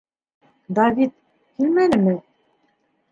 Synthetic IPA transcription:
d̪ɑvit̪̚ | hʰilmænɘ̆mɘ

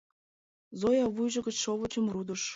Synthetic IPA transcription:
zojɑβujʒɤ̆ɡə̆t͡ɕʃoβə̆t͡ɕə̆mrud̪ɤ̆ʃ

